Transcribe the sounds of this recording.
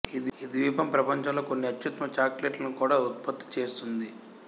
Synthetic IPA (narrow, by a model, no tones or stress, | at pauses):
id̪id̪ʋiːpɐmpɾɐpɐɲt͡ʃɐmlo̞ːkonːiɐt̪jut̪ɐmɐt͡ʃaːkleʈlɐnukuːɽaːut̪̚pɐt̪ːi̥t͡ʃe̞ːst̪und̪i